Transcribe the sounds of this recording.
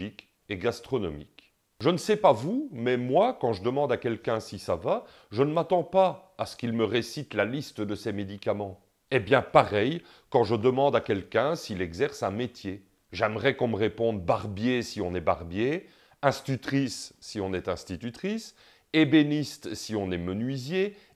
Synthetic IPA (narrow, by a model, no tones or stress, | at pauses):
ik | eɡast̪χɔnɔmḭk | ʒənəsɛpavumɛmwakɑ̃ʒəd̪əmɑ̃d̪akʲɛlkʲɛ̃sisava | ʒənəmat̪ɑ̃paːsə̥kilməʁesit̪lalist̪d̪əsɛmed̪ikamɑ̃ | ebjɛ̃paʁɛj | kɑ̃ʒəd̪əmɑ̃d̪akʲɛlkʲɛ̃silɛɡzɛʁsɛ̃met̪je | ʒɛmʁɛkɔ̃məʁepɔ̃d̪baʁbjesiɔ̃nɛbaʁbje | ɛ̃st̪yt̪χisːiɔ̃nɛt̪ɛ̃st̪it̪yt̪χis | ebenist̪siɔ̃nɛmənɥizje